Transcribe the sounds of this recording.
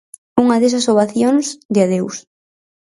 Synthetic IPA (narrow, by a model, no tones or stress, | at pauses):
uŋɐðesɐsoβaθjoŋsd̪eaðews